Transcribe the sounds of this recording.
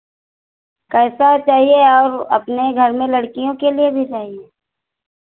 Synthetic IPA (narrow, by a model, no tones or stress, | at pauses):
kɛːsat͡ʃaːɦieɔːɾɐ̰pneɡʱɐɾmẽlɐɽkijõkeliebʱiɾɐɦie